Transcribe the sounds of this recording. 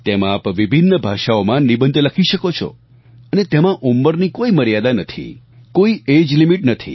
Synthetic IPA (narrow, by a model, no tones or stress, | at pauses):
t̪emãːpʋibʱinːəbʱaʃaomãnibənd̪ləkʰiʃəkot͡ʃʰɔ̰ | ənet̪emãʔumːəɾnikoiməɾjad̪anət̪ʰḭ | koied͡ʒlimiʈnət̪ʰḭ